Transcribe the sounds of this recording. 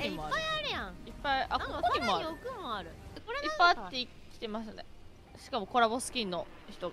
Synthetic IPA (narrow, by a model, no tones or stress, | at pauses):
ipːajaɾɯjãipːaiʔakokemoiokɯmoaɾɯ̟koɾeipːat̪ːe̞i | kʲi̥t̪e̞maɕt̪ane | ɕi̥kamo̞ko̞ɾabo̞sɨ̥kʲĩnːo̞ | çi̥t̪o̞ɡ